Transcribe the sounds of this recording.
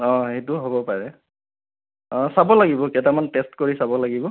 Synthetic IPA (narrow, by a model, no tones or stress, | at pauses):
ɔ̃ɦejtuɦobɔpaɹɛ | ɔ̃sabɔlaɡibɔkɛtamantestkoɹisabɔlaɡibɔ